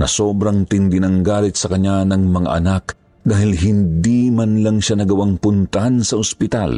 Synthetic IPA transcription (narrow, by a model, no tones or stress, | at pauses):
nɐ̰so̞ːbɾɐŋt̪ɪnd̪ɪnɐŋɡaːlɪt̪̚sɐkɐɲːanɐŋmɐŋa̰ʔɐnak | d̪aːhɪlɦɪnd̪imanlɐŋʃanɐɡɐwaŋpʊnt̪ɐansɐospɪt̪a̰l